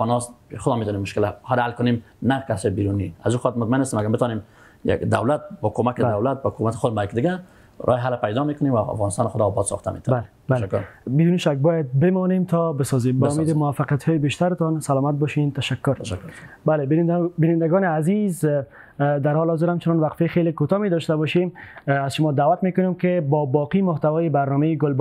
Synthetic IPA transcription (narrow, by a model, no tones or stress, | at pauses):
ɔnɔsxʊd̪ɔmet̪ɔnemːʊʃkɪlahad̪halkʊnemnakasɔbiɾuniazuxɔt̪̚mʊt̪̚maɪnast̪emaɡaɾbɪt̪ɔnem | ja̰kd̪a̰wlat̪̚bɔkomakɪbd̪awlat̪̚bakoumat̪ɪ̥xod̪mbajk̚d̪ɪɡa | ɾʔɔ̰hɪɦalpajd̪ɔmekʊnemwaa̰fɣɑnɪst̪ɑnxʊd̪ɔːbɔd̪sɔ̰xt̪amḛt̪able | bakːʊɾbid̪uniʃak̚bɔjad̪̚bɪmɔnemt̪ʰɔbɪsɔzembaʊmed̪ɪmʊwafaqijat̪hɔjɪbeʃt̪aɾɪt̪ɔnsalɔmat̪̚bɔʃent̪aʃakːʊɾkbalebbɪnɪnd̪aɡɔnɪaziz | d̪aɾhɔlɪhɔzɪɾhamt͡ʃʊnɔnwaqfexelekot̪ɔmed̪ɔʃt̪abɔʃemazʃʊmɔd̪awat̪mekʊnemkɪbɔbɔqimʊht̪awɔjɪbaɾnɔmejɪɡʊlb